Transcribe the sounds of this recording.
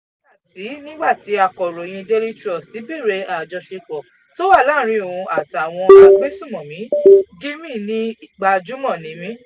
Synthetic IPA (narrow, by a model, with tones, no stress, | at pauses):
a˨ti˨˦nĩ˦ɡ͡ba˦˨ti˨˦a˨kɔ˨ɾo˨j̃ĩ˧de˦li˦tɾɔ˦˨sti˨˦bi˦˨ɾe˧˦a˨d͡ʒɔ˧ʃe˧kɔ˨ | to˦wa˦˨la˦˨˦ɾ̃ĩ˧˦o˨ũ˧a˨ta˨w̃ɔ̃˧a˧k͡pe˦sũ˦˨mɔ̃˨mĩ˨˦ɡĩ˦mĩ˦˨nĩ˦i˦ɡ͡ba˧d͡ʒu˨˦mɔ̃˦˨nĩ˨˦mĩ˦